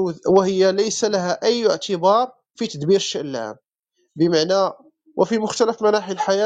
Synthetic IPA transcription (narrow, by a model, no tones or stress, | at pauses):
wəhəjːæləjsælahæʔəjːəʕt̪əbɑɾˤ | fit̪əd̪biɾəʃːaʔlːæ̰m | bəmaʕnæ | wʔə̰fimʊxt̪æləfmænaħilħajæ